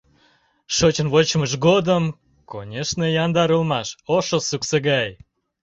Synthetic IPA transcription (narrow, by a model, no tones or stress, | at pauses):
ʃot͡ɕə̆nβot͡ɕʃɡod̪əm | konʲeʃnejɑnd̪ɑɾəlmɑʃoʃosukseɣɑj